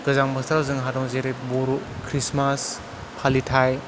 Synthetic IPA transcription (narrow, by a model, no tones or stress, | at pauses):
ɡɯzaŋbɐstʰɾazɯŋɦadɔŋzeɾej̚boɾukʰɾismas | pʰalitʰaj